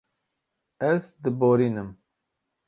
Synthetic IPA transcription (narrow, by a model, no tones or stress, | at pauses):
ɛzd̪ɨboːɾiːnɨm